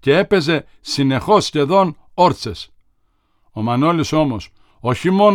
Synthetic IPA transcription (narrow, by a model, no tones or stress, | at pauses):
ceepe̞ze̞ | sine̞xo̞sçe̞ðo̞n | oɾt̪t͡ses | o̞mɐno̞liso̞mo̞s | o̞çimo̞n